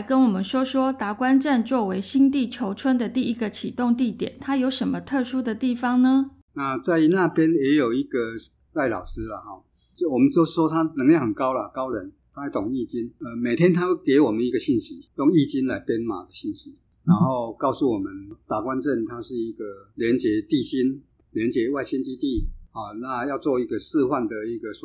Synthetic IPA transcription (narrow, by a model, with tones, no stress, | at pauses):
kə˦˥nwɔ˨˩mə˦nʂwɔ˥ʂwɔ˥t̪a˨˥kwa˦˥nʈ͡ʂə˥˧nt͡swɔ˥˩we˧˥ɪɕi˥ŋt̪i˥˩t͡ɕʰjo˧˥ʊʈ͡ʂʰwə˥nd̪ə˨t̪i˥˩i˥ɡə˨t͡ɕʰi˨˩t̪ʊ˥˧ŋt̪i˥˩t̪jɛ̰˨˩nt̪ʰa˥jo˧˥ʊʂə˧˥nmə˧t̪ʰɤ˥˩ʂu˥d̪ə˨t̪i˥˩fɑ˩ŋnə˦ | na˥˧t͡sa˥˩ɪna˥˨pjɛ˦njɛ˧˥jo˨˩ʊi˧˦ɡə˨ | la˥˩ɪlɑ̰˨˩ʊʂɻ̩˦lə˨hɔ˥˩ | t͡ɕo˥˨˩wɔ˨˩mə˨˦nso˥˦ʂwɔ˦t̪ʰa˦˥nə˧˥ŋljhə˨˩nkɑ˦˥ʊlə˨kɑ˦ʊɻə˨˦nt̪ʰa˥a˥˩t̪ʊ˨˩ŋi˥˧t͡ɕi˦nə˧˩me˨˩ɪt̪ʰjɛ˦nt̪ʰa˥we˥˩ke˧˥ɪwɔ˨˩mə˨˦ni˧˥ɡə˨ɕi˥˩nɕi˨˦jɔ˥˧ŋi˥˧t͡ɕi˦nla˨˦ɪpjɛ˥nma̰˨˩d̪ə˨ɕi˥˩nɕi˨˦ | na˧˦nxo˥˧ʊkɑ˥˧ʊsu˥˩wɔ˨˩mə˨˦nt̪a˨˩kwa˦nʈ͡ʂə˥˨nt̪ʰa˦˥ʂɻ̩˥˧i˧˥ɡə˨ljɛ˧˦˥nt͡ɕjɛ˨˦t̪i˥˨˩ɕi˦n | ljɛ˧˦nt͡ɕjɛ˨˧˦wa˥˩ɪɕi˦nt͡ɕi˥t̪i˥˩hɔ˥˨˩na˥˧jɑ˥˧ʊt͡swɔ˥˧i˧˥ɡə˨sɹ̩˥˧xwa˥˩nd̪ə˨i˧˩ɡə˨s